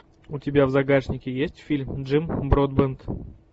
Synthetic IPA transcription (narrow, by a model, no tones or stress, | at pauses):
utʲɪbʲavzaɡaʐnʲɪkʲɪjesʲtʲfʲilʲmdʐɨmbɾod̪̚bənt̪